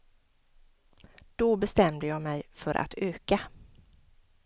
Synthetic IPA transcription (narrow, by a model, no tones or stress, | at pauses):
d̪̥ɔbɛst̪ɛmd̪əjɑːmɛjfœɾʔa̰t̪ʰøːka